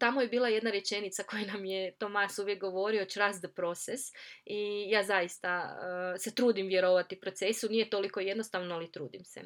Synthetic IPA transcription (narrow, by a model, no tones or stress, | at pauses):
t̪amojebiːlˠaje̞d̪naɾje̞t͡ʃe̞nit̪sako̞junamjet̪o̞masuʋjek̚ɡo̞ʋo̞ɾiot͡ʃɾazd̪pɾo̞t̪sesijaːzajist̪aset̪ɾuːd̪imʋje̞ɾo̞ʋat̪ipɾo̞t̪se̞sunijet̪o̞liko̞je̞d̪nost̪aʋnoalit̪ɾuːd̪imsḛ